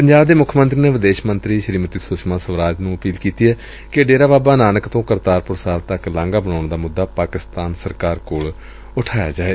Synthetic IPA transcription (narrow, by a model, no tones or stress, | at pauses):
pəɲd͡ʒaːbd̪eːmʊkʰmə̃nt̪ɾiːneːʋɪd̪eːʃmənt̪ɾiːʃəɾiːmət̪iːsʊʃmãːsəʋɾaːd͡ʒnũːəpiːlkiːt̪iːɦɛː | kɪəɖeːɾaːbaːbaːnaːnəkt̪õːkəɾt̪aːɾpʊɾsaːlt̪əklãːŋɡaːbənaːɳd̪aːmʊd̪ːaːpaːkɪst̪aːnsəɾkaːɾkoːɭ | ʊʈʰaːja̰ːd͡ʒaːeː